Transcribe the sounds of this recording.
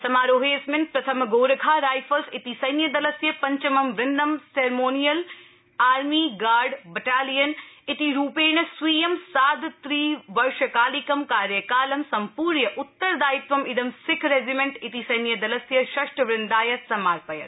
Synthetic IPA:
sɐmaːɾoːɦeːsmɪnpɾɐt̪ʰɐmɡoːɾɐɡʱaːɾaːjfʰɐlsɪt̪isɐjnjɐd̪ɐlɐsjɐpɐɲt͡ʃɐmɐmʋɾɪnd̪ɐmseːɾmoːnijɐl | aːɾmiːɡaːɾɖbɐʈaːlijɐnɪt̪iɾuːpeːɳ̃ɐsʋiːjɐmsaːd̪t̪ɾiːʋɐɾʃɐkaːlikɐmkaːɾjɐkaːlɐmsɐmpuːɾnjɐʔʊt̪ːɐɾd̪aːit̪ʋɐmɪd̪ɐmsɪkʰɾeːzimẽɳʈɪt̪isɐjnjɐd̪ɐlɐsjɐʃɐʃʈʋɾɪnd̪aːjɐsɐmaːɾpɐjɐ̰t̪

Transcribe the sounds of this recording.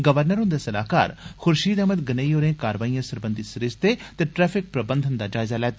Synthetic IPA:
ɡəʋəɾnəɾʊ̃nd̪esəlaːka̰ːɾxʊɾʃiːd̪əməd̪ɡənəːioːɾẽːkaːɾəʋaːijãːsəɾbənd̪isɾɪst̪et̪eːʈɾɛːpʰɪk̚pɾəbənd̪ʱənd̪aːd͡ʒaːɪzaːlɛːt̪ː

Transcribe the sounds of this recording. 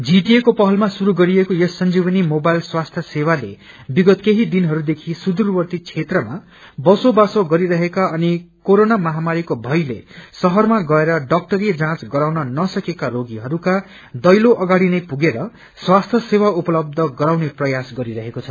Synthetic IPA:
d͡ziʈiekopʌɦʌlmasuɾuɡʌɾiekojʌsːʌnd͡ziβʌnimobajlswast̪ʰjʌsewale | biɡʌt̪keɦid̪inɦʌɾud̪ekʰisud̪urwʌrt̪it͡sʰet̪rʌma | bʌsobasoɡʌɾiɾʌɦekaʌnikoɾonamʌɦamaɾikobʱʌjlḛsʌɦʌrmaɡʌeɾʌɖʌk̚ʈʌɾed͡zãt͡sɡʌɾawnʌnʌsʌkekaɾoɡiɦʌɾuka | d̪ʌjloʔʌɡaɽinʌjpuɡeɾʌ | swast̪ʰjʌsewaupʌlʌb̚d̪ʱʌɡʌɾawneprʌjasɡʌɾiɾʌɦekot͡sʰʌ

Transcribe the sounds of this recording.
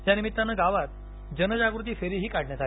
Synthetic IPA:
janimit̪ːanːəɡaʋat̪̚ | d͡ʑənəd͡ʑaɡɾut̪̬iːfeɾiːɦiːkaɽɳjat̪a

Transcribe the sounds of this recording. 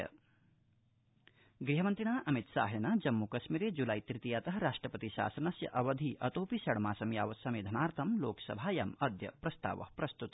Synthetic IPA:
ɐ̰ | ɡɾiɦɐmɐnt̪ɾiɳ̃aːʔɐmit̪sa̰ːɦenaːd͡ʒɐmːukɐʃmiɾeːd͡ʒulaːjt̪ɾit̪ijaːt̪ɐɦɐɾaːʂʈɾɐpɐt̪iʃa̰ːsɐnɐsjɐ̰ʔɐʋɐd̪ʱiʔɐt̪oːpisɐɽmaːsɐmjaːʋɐsɐmeːd̪ʱɐnaːɾt̪ʰɐmloːksɐ̰bʱaːjɐ̰mɐd̪ʱjɐ̰pɾɐst̪a̰ːʋɐ̰hpɾɐst̪ut̪

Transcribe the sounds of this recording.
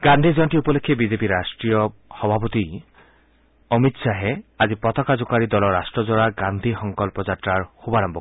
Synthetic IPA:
ɡand̪ʱid͡ʒɔnʈiupɔlekʰːebizepiɾasʈɹijɔxɔbʱapɔt̪i | ɔmit̪saɦeazipɔt̪ɔkazukaɾid̪ɔlɔɹːasʈɹɔd͡ʒɔɹaɡand̪ʱixɔŋkɔlpɔd͡ʒatɾaɹxubaɽambɔ

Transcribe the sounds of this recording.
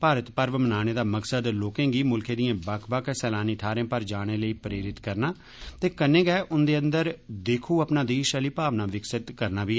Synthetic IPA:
paːɾət̪pəɾʋmənaːɽ̃eːd̪aːməksəd̪loːkẽːɡiːmʊlkʰeːd̪ijãːbəkʰbəkʰsɛːlaːniːt̪ʰaːɾẽːpəɾd͡ʒaːɽ̃eːləiːpɾeːɾɪt̪kəɾnaː | t̪eːkənːẽːɡɛːʔʊnd̪eːə̃nd̪əɾd̪eːkʰuːəpnaːd̪eːʃəliːpaːʋnaːʋɪksɪt̪kəɾnaːʋiː

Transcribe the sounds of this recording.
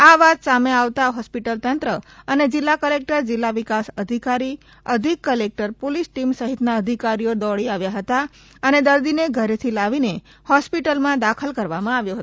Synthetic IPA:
aʋat̪sameaʋt̪aɦɔspiʈəlt̪ənt̪ɾəəned͡ʒɪlːakəlek̚ʈəɾd͡ʒɪlːaʋikasəd̪ʱikaɾi | əd̪ʱikːəlek̚ʈəɾpolisʈimsəɦit̪naəd̪ʱikaɾijod̪ɔɭiaʋjaɦət̪a | əned̪əɾd̪ineɡʱəɾet̪ʰilaʋinehɔspiʈəlmãd̪akʰəlkəɾʋamãaʋjoɦət̪o

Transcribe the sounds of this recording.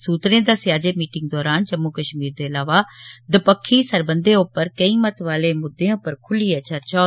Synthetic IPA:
suːt̪ɾẽːd̪aːsjaːd͡ʒeːmiːʈɪ̃ŋɡ̚d̪ɔːɾaːnd͡ʒəmːuːkəʃmiːɾd̪eːɐlaːʋaːd̪əpəkʰːiːsəɾbə̃nd̪eːʊpəɾkəĩːmət̪ʋaːleːmʊd̪ːẽʊpəɾkʰʊliːɦɛːt͡ʃəɾt͡ʃaː

